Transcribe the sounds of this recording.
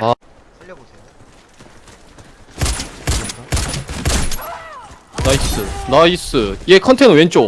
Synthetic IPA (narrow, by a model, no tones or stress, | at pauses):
a | naisɯnaisɯiekʰʌntʰenwent͡ɕ͈o